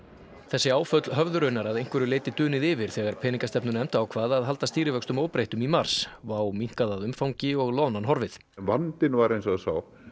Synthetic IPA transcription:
θɛsːɪaːwfœt̪lɦœvðʏɾʏnːaɾaðejŋ̥kvɛɾʏleːjt̪ɪt̪ʏːnɪðɪvɪɾ̥θɛːɣaɾ̥pʰɛːniŋkast̪ɛpnʏnɛmt̪aːwkʰvaːðaðɦal̪t̪ast̪iːɾɪvœkst̪ʏmoːwpɾejht̪ʏmimaɾ̥svaːwmiŋ̥kaðaðʏmfawɲcɪɔɣlɔːwnanɦɔɾvɪθ | nvant̪ɪnvaɾejnsɔsaːw

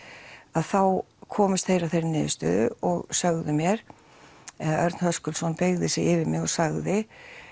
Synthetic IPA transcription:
aðθaw | kʰɔːmɪst̪θejɾavθejɾɪnɪːðɪst̪œ̰ːðʏ̰ɔɣsœɣðʏmjɛɾ̥ | ɛðʔœɾt̪nhœskʏlsɔnpeɣðɪsɪɪvɪɾmɪɣɔsaɣðɪ

